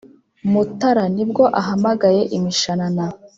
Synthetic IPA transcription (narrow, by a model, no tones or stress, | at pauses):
mutaɾanib̚ɡo̞ʔaɦamaɡaje̞ʔimiʃanana